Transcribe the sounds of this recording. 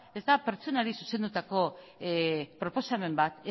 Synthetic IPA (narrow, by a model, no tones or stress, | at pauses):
e̞zd̪ape̞ɾt͡sonaɾisuse̞nd̪ut̪ako̞ | pɾo̞po̞same̞mbat̪